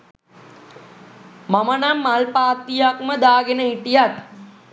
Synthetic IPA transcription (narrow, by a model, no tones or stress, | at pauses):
mamənamːalpaːt̪ijakməd̪aːɡenəɦiʈijat̪